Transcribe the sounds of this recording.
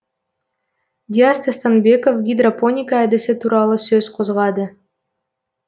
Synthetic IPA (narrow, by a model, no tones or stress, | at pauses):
d̪ʲiast̪əst̪anbʲe̞ko̞fɡʲid̪roponʲikaæd̪ɪsɪt̪uɾɑlˠɤsøz̥qʰozʁɑd̪ə